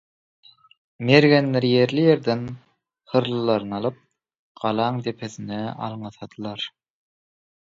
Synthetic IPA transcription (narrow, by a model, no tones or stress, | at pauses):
meɾɣenlʲeɾije̞ɾlije̞ɾd̪en | hɯɾlˠɯlˠɑɾɯnɑlˠɯp̚ | ɢ̥ɑlˠɑːŋd̪e̞pʰeθineɑ̰lˠɴɯθɑd̪̥ɯlˠɑɾ